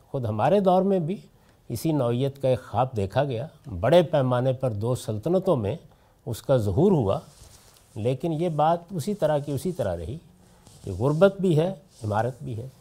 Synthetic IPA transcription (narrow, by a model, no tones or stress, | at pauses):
xʊd̪ɦɐmaːɾed̪ɔːɾmẽbʱi | ɪsinɔːijət̪kaeːkxaːb̚ʰd̪eːkʰaɡɐjaːbɐɽepɛːmaːnepɐɾd̪oːsɐlt̪ənət̪õmḛ̃ | ʊskazɐɦuːɾɦua̰ | leːkɪnjebaːt̪ʊsit̪ɐɾakiʊsit̪ɐɾa̰ɾɐ̰ɦi | jḛɣʊɾbət̪̚bʱiɦɛ | ɪmaːɾət̪̚bʱiɦɛː